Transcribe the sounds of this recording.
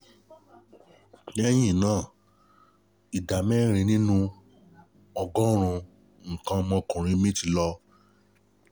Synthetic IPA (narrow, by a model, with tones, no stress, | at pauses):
n˦ɛ˦j̃ĩ˦˨nãː˦˨ | i˨da˨mɛ˦˨ɾ̃ĩ˧nĩ˦nũ˦ | ɔ˧ɡɔ˦ɾ̃ũ˧ | ŋ̩˨kã˧mɔ̃˧kũ˨ɾ̃ĩ˧˦mĩ˦ti˧lɔ˧